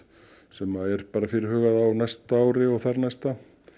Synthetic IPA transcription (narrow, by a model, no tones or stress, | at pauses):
sɛmːaðɛɾ̥paːɾafɪɾɪɾhɦœːɣaðawnajst̪aaːwɾɪɔɣθaɾnajst̪a